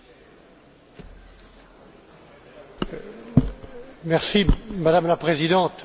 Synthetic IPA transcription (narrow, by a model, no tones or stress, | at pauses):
mɛʁsimad̪amlapχezid̪ɑ̃t̪